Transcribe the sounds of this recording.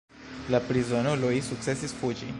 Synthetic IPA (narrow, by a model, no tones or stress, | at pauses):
lapɾizonolojsuk̚t̪se̞sisfud͡ʒi